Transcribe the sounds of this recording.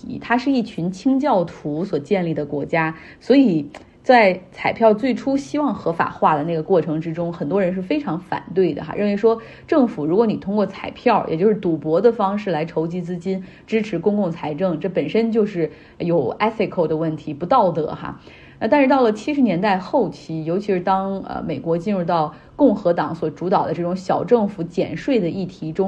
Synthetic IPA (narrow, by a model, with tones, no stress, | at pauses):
i˧˥t̪ʰa˥ʂɻ̩˥˧i˥˩t͡ɕʰy˧˥nt͡ɕʰi˥ŋt͡ɕjɑ˥˩ʊt̪ʰu˧˥swɔ˨˩t͡ɕjɛ˥˧nli˥˩d̪ə˩kwɔ˧˥t͡ɕja˥ | swɔ˧˥i˨˩ | t͡sa˥˧ɪt͡sʰa˨˩ɪpʰjɑ˥˧ʊt͡swe˥˩ɪʈ͡ʂʰu˥ɕi˥wɑ˥˩ŋxɤ˧˥fa̰˨˩xwa˥˩d̪ə˩na˥˩ɡə˩kwɔ˥˩ʈ͡ʂʰɤ˧˥ŋʈ͡ʂɻ̩˥ʈ͡ʂʊ˥ŋxə˨˩nt̪wɔ˥ɻə˧˥nʂ̬ɻ̩˥˩fe˥ɪʈ͡ʂʰɑ˧˥ŋfa̰˨˩nt̪we˥˩ɪd̪ə̰˩xa̰˧ɻə˥˩nwe˧˥ɪʂwɔ˥ | ʈ͡ʂɤ˥˩ŋfu˨˩ɻu˧˥kwɔ˧˥ni˨˩t̪ʰʊ˥ŋkwɔ˥˩t͡sʰa˨˩ɪpʰjɑ˥˩ʊjɛ̰˨˩t͡ɕjo˥˧ʊʂɻ̩˥˩t̪u˨˥pwɔ˧˥d̪ə˨fɑ˥ŋʂɻ̩˥˩la˧˥ɪʈ͡ʂʰo˧˥ʊt͡ɕi˧˥t͡sɹ̩˥t͡ɕi˥n | ʈ͡ʂɻ̩˥ʈ͡ʂʰɻ̩˧˥kʊ˥ŋkʊ˥˩ŋt͡sʰa˧˥ɪʈ͡ʂɤ˥˩ŋʈ͡ʂɤ˥˩pə˨˩nʂə˥nt͡ɕjo˥˧ʊʂɻ̩˥˩ | jo˨˩ʊɛ˥fe˥˧˩kʰo˥˩ʊd̪ə˩wə˥˩nt̪ʰi˧˥pu˧˥t̪ɑ˥˩ʊt̪ə̰˧˥xa̰˥˧ | na˥˩t̪a˥˧nʂɻ̩˥˧t̪ɑ˥˩ʊlə˩t͡ɕʰi˥ʂɻ̩˧˥njɛ˧˥nt̪a˥˧ɪxo˥˩ʊt͡ɕʰi˧˥jo˧˥ʊt͡ɕʰi˧˥ʂɻ̩˥˧t̪ɑ˥ŋə̰˧me˨˩ɪkwɔ˧˥t͡ɕi˥˧nɻu˥˧t̪ɑ˥˩ʊ | kʊ˥˩ŋxɤ˧˥t̪ɑ˨˧˥ŋswɔ˨˩ʈ͡ʂu˧˥t̪ɑ˨˩ʊd̪ə˦ʈ͡ʂɤ˥˩ʈ͡ʂʊ˧˥ŋɕjɑ˨˩ʊʈ͡ʂɤ˥˩ŋfu˧˥t͡ɕjɛ̰˨˩nʂwe˥˩ɪd̪ə˩i˥˩t̪ʰi˧˥ʈ͡ʂʊ˥ŋ